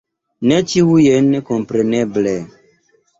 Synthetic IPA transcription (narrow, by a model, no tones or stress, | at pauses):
net͡ʃiujenekompɾeneble